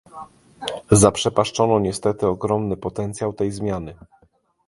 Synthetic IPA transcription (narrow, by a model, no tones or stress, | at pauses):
zapʂɛpaʂt͡ʂɔnɔɲɛst̪ɛt̪ɘɔɡɾɔmnɘpɔt̪ɛnt̪sʲjawt̪ɛjzmʲjanɘ